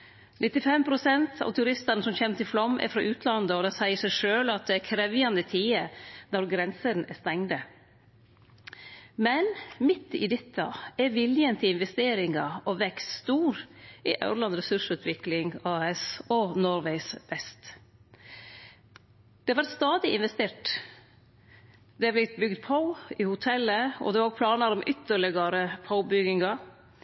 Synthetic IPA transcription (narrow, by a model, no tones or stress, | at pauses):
nʔɪt̪ɪfɛmpʰɾʊsɛnt̪ʰɑ̰ʋt̪ʰʉɾɪst̪ɑnəsɔmçɛːmt̪ʰɪlflɔmʔɛ̰ɾfɾɑ̰ʔʉːt̪ʰlɑnd̪əɔd̪ɛsæɪəsæɪʂøːlɑt̪̚d̪ɛækʰɾɛʋɪjɑnd̪ət̪ʰiːəd̪ɔɾɡɾɛnsəd̪n̩æst̪ɛŋd̪ə | mɛnmɪt̪ːɪ̰d̪ɪt̪ʰːɑɛɾʋɪljənt̪ʰɪlɪnʋɛst̪eːɾɪŋɑʔɔʋɛkst̪st̪uːɾiʔɑ̰ʉɾɭɑnɾɛsʉʂʉːt̪ʰʋɪklɪŋɑɛsɔnɔɾʋæɪsʋɛst̪ | d̪̥ɛɑʋæɾt̪st̪ɑːd̪ɪʔɪnʋɛst̪eːʈ | d̪̥ɛblɪt̪̚bʏɡd̪pʰoɪhʊt̪ʰɛlːəɔ̰d̪ɛʋɑoɡ̚pʰlɑːnɑɾɔmʔʏt̪ːəɭɪɡɑɾəpʰaʊbʏɡɪŋɑ